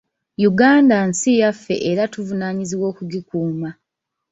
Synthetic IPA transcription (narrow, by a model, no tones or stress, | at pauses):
juɡaːndansijafːe̞̰ʔeɾatuvunaːɲiziwo̞ːkuɡikuːma